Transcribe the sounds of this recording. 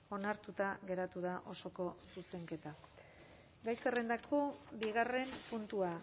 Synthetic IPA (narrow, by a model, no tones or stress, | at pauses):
o̞naɾt̪ut̪aɣe̞ɾat̪uð̞aʔo̞so̞ko̞suse̞ŋke̞t̪a | ɡajsare̞nd̪akʰo̞biɣare̞mpunt̪ua